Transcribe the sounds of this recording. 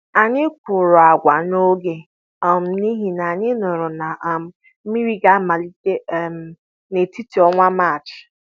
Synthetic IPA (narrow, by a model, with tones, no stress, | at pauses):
a˨ɲɪ˦kʷʊ˨ɾʊ˨a˨ɡʷa˨no˦ɡe˨ | ɔ˨m̩˨ni˦ɦi˨na˨a˨ɲɪ˦nʊ˨ɾʊ˨na˨˦ | mi˦ɾi˦ɡa˦ma˨li˦de˦˨m˨ | ne˨ti˦ti˨ɔ˦ŋʷa˦ma˦˨t͡ʃɪ̥˨